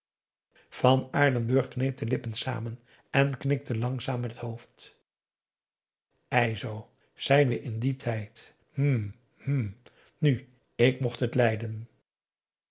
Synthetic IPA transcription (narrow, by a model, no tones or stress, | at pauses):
v̥ɑnaːɹdənbɵɹχknejp̚dəlɪpənsa̰ːmən | ɛnknɪk̚tʰəlɑŋzaːmːɛtətɦowft | ɛjzow | z̥ɛjnʋəʔɪnditʰɛjt | m̩ | m̩ | ny | ɪkmɔχtətlɛjdən